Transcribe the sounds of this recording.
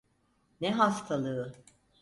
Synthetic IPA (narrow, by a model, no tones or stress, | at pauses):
nɛɦast̪ʰalˠɯː